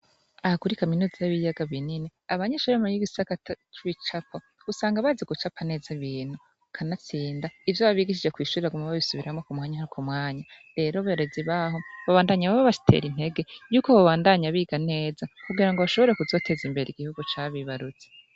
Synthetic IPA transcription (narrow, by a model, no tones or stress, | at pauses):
ahakuɾikaminuzajaβijaɡaβinineaβaɲeʃuɾamojiɡisakatat͡ʃuβit͡ʃapʰa | ɡ̥usaːŋɡaβazeɡut͡ʃapʰane̞ːzaβiːn̥hu | kʰanat͡siːndaivjoβaβiɡiʃ̬id͡ʒe̞kwiːʃuɾiɾaɡumaβaβisuβiɾamŋokumŋaːɲahakʰumŋaːɲa | ɾe̞ːɾoβeɾeziβaho̞βaβaːndaɲaβaβaβaʃi̥tʰe̞̰ɾin̥e̞ɡe̞juːkoβaβaːndaɲaβiːɡane̞ːzakuɡiɾaŋɡoβaʃo̞βo̞ɾe̞kuzo̞tʰe̞zimbe̞ɾeiɡihuɡut͡ʃaːβiβaɾut͡se̥